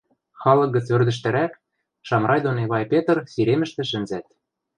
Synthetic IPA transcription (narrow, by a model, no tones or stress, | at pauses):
xɑlɤ̆k̚ɡə̆t͡sørd̪ɘ̆ʃ̬t̪ɘ̆ɾæk | ʃɑmrɑjd̪oneβɑjpʲet̪rsiɾemɘ̆ʃt̪ɘ̆ʃɘ̆nzæt̪̚